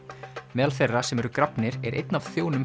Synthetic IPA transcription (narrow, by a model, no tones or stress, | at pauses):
mɛːðalθerːasɛmɛɾʏkɾapnɪɾɛɾʔḛjt̪̚navθjoːwnʏm